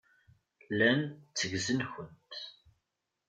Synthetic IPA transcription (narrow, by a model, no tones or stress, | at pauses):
lænt͡sːəʝzənçənt̪